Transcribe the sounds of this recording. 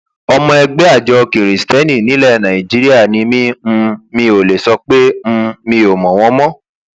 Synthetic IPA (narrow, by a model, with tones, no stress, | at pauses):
ɔ˧mɔ̃˧ɛ˧ɡ͡bɛ˦a˦˨d͡ʒɔ˧ki˨ɾi˨stɛ˦nĩ˦˨nĩ˨˦lɛ˦˨nã˨ĩ˨d͡ʒi˨˦ɾi˦a˦˨nĩ˧mĩ˦m̩˧mĩ˧o˨le˨sɔ˧k͡pe˦m̩˧mĩ˧o˨mɔ̃˨w̃ɔ̃˧mɔ̃˦